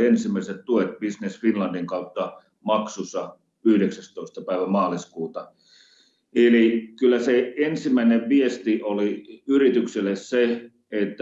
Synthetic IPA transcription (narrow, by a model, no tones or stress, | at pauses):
ensimːˑæiset̪t̪uet̪̚b̥isnesfinlɑndiŋkɑut̪ːɑ | mɑksusɑ | yhdeksæst̪oˑist̪ɑpæˑiʋæmɑːliskuːt̪ɑ | elikylːæseensimæineʋʋiest̪iʔoliyrit̪ykselːˑesse | et̪ːæ